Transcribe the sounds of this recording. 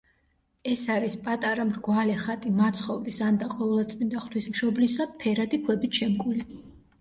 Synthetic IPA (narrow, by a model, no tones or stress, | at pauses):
ɛsaɾispʼat̪ʼaɾamɾɡwalɛχat̪ʼimat̪sʰχɔvɾisand̪aqʼɔvɛlˠat̪sʼmind̪aχlʰwismʃɔblisapʰɛɾad̪ikʰwɛbit̪ʃɛmkʼuli